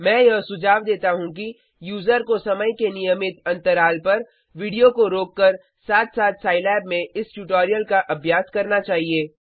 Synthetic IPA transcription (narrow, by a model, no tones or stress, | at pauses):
mɛ̃ːjɐɦsʊd͡ʒaːʋd̪eːt̪aɦũki | juːzəɾkosɐməjkenijəmɪt̪ɐ̃nt̪əɾaːlpɐɾ | ʋiɖijokoɾoːkːəɾ | saːt̪ʰsaːt̪saːɪlɛːbmẽɪsʈuʈoːɾijəlkaʔɐbʱjaːskɐɾnat͡ʃaːɦieː